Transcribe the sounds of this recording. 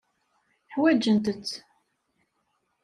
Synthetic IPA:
ħwæd͡ʒːənt̪ət͡sː

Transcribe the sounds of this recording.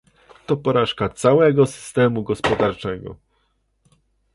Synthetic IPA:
t̪ɔpɔɾaʂkat̪sawɛɡɔsɘ̥st̪ɛmuɡɔspɔd̪aɾt͡ʂɛɡɔ̰

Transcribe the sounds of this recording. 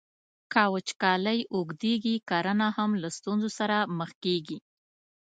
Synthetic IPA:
kɑwət͡ʃkɑləjʔoɡd̪eɡikaɾanahamlast̪unzosaɾaməxkeɡi

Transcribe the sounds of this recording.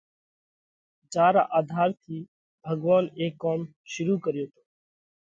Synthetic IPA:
d͡ʒaːɾa̰ːʔaːd̪ʱaːɾt̪ʰiː | bʱəɡʋaːneːkːoːm | ʃʊɾuːkəɾjoːt̪ʰoː

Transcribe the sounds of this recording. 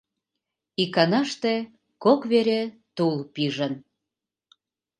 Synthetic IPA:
ikɑnɑʃt̪ĕ | kokβeɾet̪ulpiʒən

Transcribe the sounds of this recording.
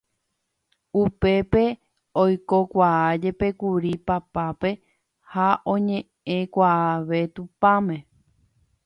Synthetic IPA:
upe̞pe̞ | ojkokʷaad͡ʒe̞pe̞kuɾipapape̞ | haʔõ̞ɲẽ̞ | ẽ̞kʷaaʋe̞t̪upãmẽ

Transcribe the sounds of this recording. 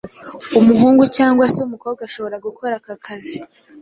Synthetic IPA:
umuɦuːŋɡucaːŋɡwaseumuko̞ːb̚ɡaʃo̞βo̞ɾaɡukʰo̞ɾakakʰazi

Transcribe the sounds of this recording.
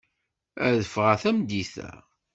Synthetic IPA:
æðəfʁæθæmd̪iθæ̰

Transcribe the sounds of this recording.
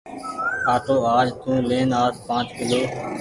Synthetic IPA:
haːt̪oːaːd͡ʒt̪ũːleːnaːspãːt͡ʃkɪloː

